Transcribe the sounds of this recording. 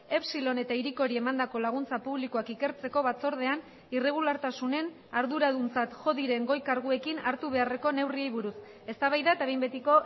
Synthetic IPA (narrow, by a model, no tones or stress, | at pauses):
e̞psilo̞ne̞t̪aiɾiko̞ɾie̞mand̪ako̞laɣ̞unt͡sapuβlikoakike̞ɾt͡se̞ko̞βat͡so̞ɾð̞e̞an | ire̞ɣ̞ulaɾt̪asune̞n | aɾðuɾaðunt͡sat̪ʝo̞ðiɾe̞ŋɡo̞jkaɾɣ̞ue̞kinaɾt̪uβ̞e̞are̞ko̞ne̞wriejβuɾus | e̞st̪aβajðaet̪aβejmbe̞t̪iko̞